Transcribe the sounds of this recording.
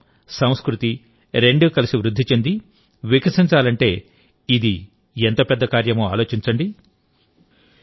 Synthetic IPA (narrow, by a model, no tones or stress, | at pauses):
sɐ̃w̃skɾut̪i | ɾe̞ɳɖukɐlisiʋɾud̪ʱːit͡ʃe̞nd̪i | ʋikɐsint͡ʃaːlɐɳʈe̞ː | id̪i | ent̪oːpɛd̪ːɐkaːɾjɐmoːaːlo̞ːt͡ʃiɲt͡ʃɐɳɖi